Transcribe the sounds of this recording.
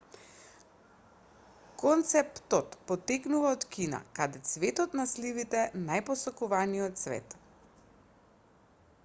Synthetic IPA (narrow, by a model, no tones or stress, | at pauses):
kɔnt̪sɛpt̪ɔt̪pɔt̪ɛknuvaɔt̪kina̰kad̪ɛt̪svɛt̪ɔt̪naslivit̪ɛnajpɔsɔkuvanijɔt̪svɛ̰t̪